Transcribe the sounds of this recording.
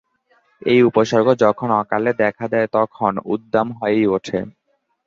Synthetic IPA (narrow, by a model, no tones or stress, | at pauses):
ejupoʃɔɾɡʱod͡ʑɔkʰonɔkaled̪ɛkʰad̪ɛet̪ɔkʰonud̪ːamɦɔeejoʈʰe